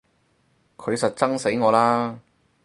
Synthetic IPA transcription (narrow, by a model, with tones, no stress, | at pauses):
kʰɵ˨˧ɥsɐ˨t̚t͡sɐ˥ŋse˨˥jŋɔː˨˧laː˥